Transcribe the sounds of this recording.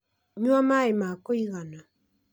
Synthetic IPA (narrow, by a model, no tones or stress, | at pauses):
ɲuamaemakoiɣana